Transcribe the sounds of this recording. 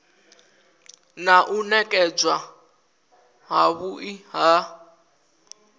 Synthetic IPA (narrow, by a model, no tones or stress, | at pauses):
naʔunɛkʼɛd͡zwa | ɦaβuʔiɦa